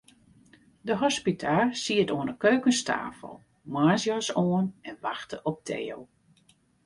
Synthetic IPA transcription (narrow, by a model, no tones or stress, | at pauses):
dəɦɔspitʰasiətoənəkøːkənstʰa̰ːfə̰lˠ | maːzjɔsoənɛnʋaxtəʔɔp̚tʰḛːo̰wˠ